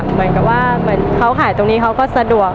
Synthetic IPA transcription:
mɯ˩˦ənka˨˩p̚waː˥˩mɯ˩˦ənkʰa˦˥wkʰaː˨˩˦jt̪o˧ŋniː˦˥kʰa˦˥wkɔː˥˩sa˧du˨˩ək̚

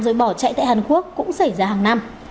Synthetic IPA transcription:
zəː˨˩jɓɔ˧˩t͡ɕa̰˧˨jt̪a̰ː˧˨haː˨˩nku˦˥əkːʊ̰˧˥ŋ͡msa˧˩jzaː˧ɦaː˨˩ŋna˧m

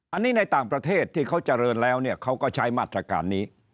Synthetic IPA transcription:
ʔa˧nːiː˦˥na˧jt̪aː˨˩ŋpɾa˧t̪ʰeː˥˩t̪ʰːiː˥˩kʰa˦˥wt͡ɕa˧ɾɤː˧nlɛː˦˥wni˥˩ɐkʰa˦˥wkɔː˥˩t͡ɕʰa˦˥jmaː˥˩t̪ːɾa˧ka̰ː˨nːiː˦˥

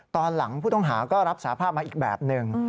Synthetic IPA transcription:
t̪ɔː˧nla˩˦ŋpʰuː˥˩t̪ɔ˥˩ŋɦaː˩˦kɔː˥˩ɾa˦˥p̚saː˩˦pʰaː˥˩p̚ma˧ʔiː˨˩k̚bɛ̰ː˨˩p̚nɯ˧ŋ

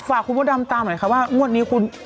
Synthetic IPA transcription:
faː˨˩kʰːu˧nbɔː˥˩da˧mt̪aː˧ma˨˦jkʰa˧˥p̚waː˥˩ŋu˥˩ət̪̚niː˦˥kʰu˧n

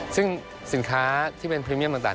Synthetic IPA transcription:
sɯ˥˩ŋ | si˨˩˦nkʰaː˦t̪ʰiː˥˩pe˧npʰɾiː˧mi˥˩t̪aː˨˩t̪aː˨˩

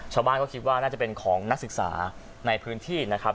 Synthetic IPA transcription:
t͡ɕʰaː˧wbaː˥˩nkɔ˥˩kʰi˦˥t̪̚waː˥˩naː˥˩t͡ɕa˨˩pe˧nkʰɔː˩˦ŋna˦˥k̚sɯ˨˩k̚sa̰ː˩˦ | na˧jpʰɯː˦˥nt̪ʰiː˥˩na˦˥kʰa˦˥p̚

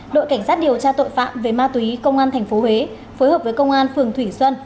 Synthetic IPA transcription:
ɗo̰˧˨jka˧˩ŋ̟saː˦˥t̚ɗi˨˩əwt͡ɕaː˧t̪o̰˧˨jfa̰ː˧˨mve˨˩maː˧t̪wi˨˦kə˧wŋ͡mʔaː˧nt̪ʰɛ˨˩jŋ̟fo˨˦ɦhwe˨˦ | foː˨˦jɦəː˨˩p̚vəː˨˦jkə˧wŋ͡mʔaː˧nfɨ˨˩əŋt̪ʰwi˧˩swə˧n

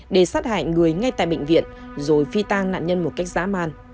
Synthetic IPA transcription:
ɗe˧˩saː˦˥t̚ha̰ː˧˨ŋ̟ŋɨ˨˩əjŋa˧jt̪a̰ː˧˨jɓə̰˧˨ŋ̟vḭ˧˨ən | zo˨˩jfi˧t̪aː˧ŋna̰ː˧˨nɲə˧nmo˨˩t̚ka˦˥jk̚za̰ː˧˥maː˧n

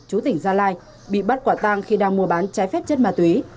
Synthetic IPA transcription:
t͡ɕu˨˦t̪ï˧˩ŋ̟zaː˧laː˧j | ɓḭ˧˨ɓə˦˥t̚kwaː˧˩t̪aː˧ŋxi˧ɗaː˧ŋmu˧əɓaː˨˦nt͡ɕaː˨˦jfɛ˦˥p̚t͡ɕə˦˥t̚maː˨˩t̪wi˨˦

